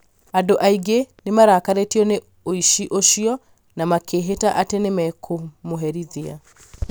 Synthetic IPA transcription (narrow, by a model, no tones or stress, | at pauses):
adoʔaiɡenemaɾakaɾetiɔne | oiʃiʔoʃiɔ | namakeɦetaʔatenemɛkʰomoɦɛɾiðia̰